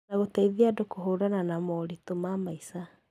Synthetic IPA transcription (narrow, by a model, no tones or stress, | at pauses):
naɣotaiðiadokoɦoɾananamɔɾitomamaisa